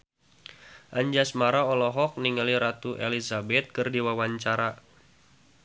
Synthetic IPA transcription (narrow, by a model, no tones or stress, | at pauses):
ʔaɲd͡ʒasmaɾaɔlɔɦɔk̚niŋaliɾat̪uʔelizabɛt̪̚kɨrdiwawaɲt͡ʃaɾa